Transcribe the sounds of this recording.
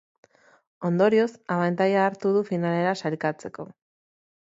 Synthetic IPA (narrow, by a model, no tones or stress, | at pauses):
o̞nd̪o̞ɾio̞saβant̪ajaːɾt̪uð̞ufinale̞ɾasalkat͡se̞ko̞